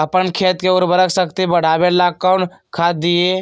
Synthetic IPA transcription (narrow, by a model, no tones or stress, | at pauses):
əpənkʰeːt̪keʊɾbəɾəkʰsəkt̪ebəɽ̤aːbelaːkːaʊɳʈkʰaːt̪̚d̪ɪeː